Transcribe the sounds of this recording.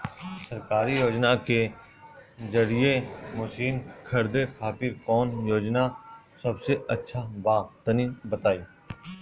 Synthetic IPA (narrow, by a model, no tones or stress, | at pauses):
sɐɾkaːɾijoːd͡ʒnake | zɐɾijemoːʃiːnkʰɐɾd̪exaːt̪ɪɾkɔːnjoːd͡ʒna | sɐbseɐtːʃʰabaːt̪ːənibɐt̪aːiː